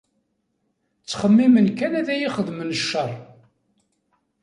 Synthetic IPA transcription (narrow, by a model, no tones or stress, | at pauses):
t͡sːχəmːimənkænæðæjiχəðmənəʃːərˤ